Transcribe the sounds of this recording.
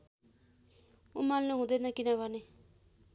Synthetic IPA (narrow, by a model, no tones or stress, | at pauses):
umalnuɦũd̪ʌnʌkinʌβʱʌne